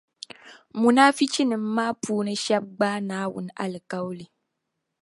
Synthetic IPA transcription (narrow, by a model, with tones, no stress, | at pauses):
mu˨naː˦fi˦t͡ʃi˦nɨ˨m̩˦maː˦puː˦nɨ˦ʃa˦b̚ɡ͡baː˦naː˦wʊ̰˨n˦a̰˦lɨ˨ka˦wli˨